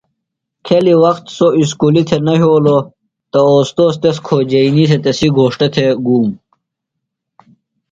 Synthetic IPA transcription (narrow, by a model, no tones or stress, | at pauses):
kʰeliwɐxt̪sois̬kuːlit̪ʰenɐɦoːlo | t̪ɐoːst̪oːst̪es̬kʰoːd͡ʑɐinis̬et̪ɐsiɡoːʂʈet̪ʰeɡuːm